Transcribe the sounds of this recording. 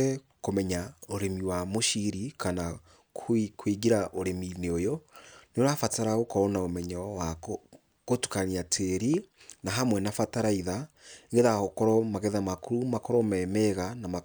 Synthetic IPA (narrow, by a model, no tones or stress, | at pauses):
ɛ | komɛɲaoɾemiwamoʃiɾikana | kkʰwiɡiɾaʔoɾemineojoneoɾafataɾaɣokɔɾɔnaomɛɲawa | ɣotu̥kaniatʰeɾinaɦamwɛnafataɾaiðaeŋɡeðahɔkɔɾɔmaɣɛðamakuɾumakɔɾɔmɛmɛɣanama